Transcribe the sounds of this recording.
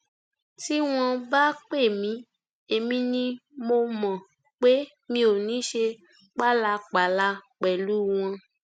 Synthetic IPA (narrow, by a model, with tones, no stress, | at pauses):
ti˦w̃ɔ̃˧ba˦k͡pe˦˨mĩ˨˦ | e˨mĩ˧nĩ˧mo˧mɔ̃˨ | k͡pe˦ | mĩ˧o˨nĩ˨˦ʃe˧ | k͡pa˦˨la˧k͡pa˨˦la˧k͡pɛ˨lu˨˦w̃ɔ̃˧